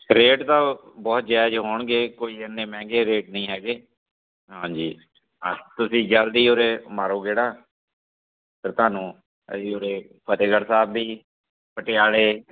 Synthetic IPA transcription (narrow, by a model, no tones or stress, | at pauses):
ɾeːʈt̪ãːbɔːt̪̚d͡ʒɛːd͡ʒɦoːɳɡeːkoːiːənːẽːmɛ̃ːŋɡeːɾeːʈnəĩːɦɛːɡeː | ɦãːd͡ʒiː | ət̪ʊsĩːd͡ʒəld̪iːoːɾeːmaːɾoːɡeːɽaː | pəɾt̪ʊaːnũː | ə̰iːoːɾeː | pət̪eːɡəɽsaːbːiː | pəʈɪjaːleː